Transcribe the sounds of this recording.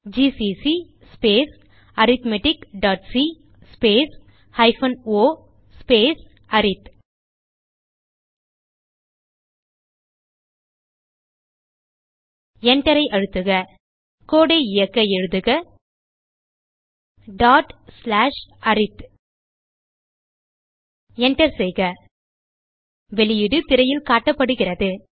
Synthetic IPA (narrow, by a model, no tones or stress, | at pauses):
d͡ʒisisi | speːs | ɐɾɪt̪mɛʈɪkɖaːʈsi | speːs | hɐɪfɐnoː | speːs | ɐɾɪt̪ | ɛɳʈɐɾɐɪʔɐɻɯt̪ːɯɣɐ | koːɽɐɪɪjɐkːɐɛɻɯðɯɣɐ | ɖaːʈslaːʂʔɐɾɪt̪ | ɛɳʈɐɾsɛjɣɐ | ʋɛlɪjɪɽɯt̪ɪɾɐjɪlkaːʈːɐpːɐɽɯɣɪrɐðɯ